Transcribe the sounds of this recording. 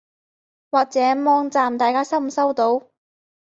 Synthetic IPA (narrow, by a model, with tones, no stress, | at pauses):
waː˨k̚t͡sɛː˨˥mɔː˧ŋt͡saː˨mt̪aː˨jkaː˥sɐ˥msɐ˥wt̪o˨˧˥w